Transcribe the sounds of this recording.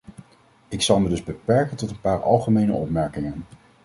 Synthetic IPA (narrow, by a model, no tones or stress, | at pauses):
ɪksɑlˠmədɵzbəpɛɹkəntɔtənpaːɹɑ̰lˠχəmejnə̰ʔɔpmɛɹkɪŋən